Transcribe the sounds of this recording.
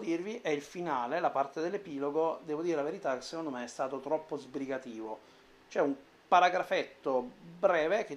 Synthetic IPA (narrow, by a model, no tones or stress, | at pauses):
d̪irviʔɛilfinaːlelapart̪ed̪elːepiːloɡod̪ɛːvod̪iːɾelaveɾit̪akːesːekond̪omeɛst̪aːt̪ot̪ɾɔpːozbɾiɡat̪iːvo | t͡ʃoɛum | paɾaɡɾafet̪ːobɾɛːvek̟e